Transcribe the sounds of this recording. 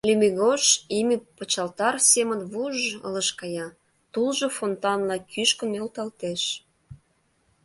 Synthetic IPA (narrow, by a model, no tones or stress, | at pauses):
lʲymiɣoʃiməpət͡ɕɑlt̪ɑrsemənβuʒə̰lə̆ʃkɑjɑ | t̪ulʒofont̪ɑnlɑkʰyʃkə̆nølt̪ɑlt̪eʃ